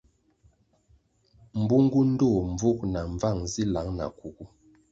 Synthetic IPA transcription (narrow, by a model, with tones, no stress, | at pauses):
m̩˨bu˦ŋ˦ɡu˦n̩˦do˦˨m˨b͡vu˦k̚na˨ɱ˨va˦˨ŋzi˦la˨˦ŋna̰˨ku˨ku˦